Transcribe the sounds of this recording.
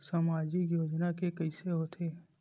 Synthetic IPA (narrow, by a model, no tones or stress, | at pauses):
samaːd͡ʒikjoːd͡ʒnakekəɪseɦot̪ʰeː